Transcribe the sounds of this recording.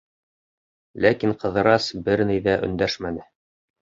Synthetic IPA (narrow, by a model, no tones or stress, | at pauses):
lækiɴqɤ̆ðɤ̆ɾɑsbɘɾnijðæʔɵ̰̆nd̪æʃmænɘ